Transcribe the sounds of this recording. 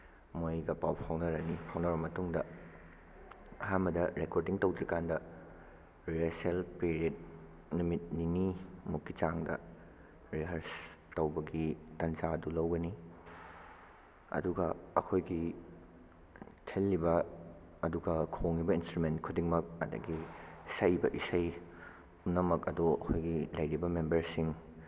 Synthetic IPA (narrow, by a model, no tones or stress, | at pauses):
mojɡɐpawpʰawnɐɾɐnipʰawnɐɾbɐmɐtuŋdɐ | ɐɦambɐdɐɾekoɾdiŋtɐwdɐkandɐ | ɾieselpeɾied̚ | numit̚ninimukːit͡ʃaŋdɐ̰ | ɾiɦɐɾs | tɐwbɐɡitɐnd͡ʒaɐdulɐwɡɐni | ɐ̰duɡɐɐ̰kʰojɡi | tʰelːibɐː | duɡɐkʰoŋibɐinstɾumentkʰudiŋmɐk̚ɐ̰dɐ̰ɡisɐjbɐʔisɐj | pumnɐmɐkɐduɐ̰kʰojɡilɐjɾibɐmembɐɾsiŋ